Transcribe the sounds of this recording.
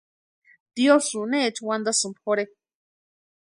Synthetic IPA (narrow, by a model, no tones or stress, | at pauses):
d̪iosunet͡ʃʰwand̪asɨmpʰoɾe